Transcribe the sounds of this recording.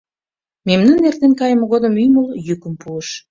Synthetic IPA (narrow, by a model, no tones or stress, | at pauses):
memnənːert̪enkɑjəmoɣod̪ə̆myjməljykə̆mpuəʃ